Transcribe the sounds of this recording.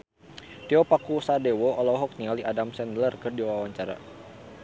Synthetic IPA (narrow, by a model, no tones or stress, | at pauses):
t̪iɔpakusadɛwɔʔɔlɔɦɔk̚nialiʔadamsɛndlərkɨrdiwawaɲt͡ʃaɾa̰